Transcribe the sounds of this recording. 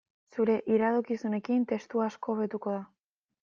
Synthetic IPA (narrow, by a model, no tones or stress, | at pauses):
suɾe̞ʔiɾaðokisune̞kint̪e̞st̪uasko̞ːβe̞t̪uko̞ða